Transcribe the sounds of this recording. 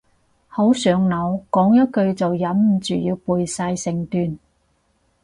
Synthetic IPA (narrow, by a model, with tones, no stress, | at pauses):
ho˨˥wsœː˨˧ŋnɐ˨˧wkɔː˨˥ŋjɐ˥t̚kɵ˧ɥt͡sɐ˨wjɐ˨˥mm̩˨t͡ʃy̰ː˨jiː˧wpuː˨jsaː˧jsɪ˨ŋt̪yː˨n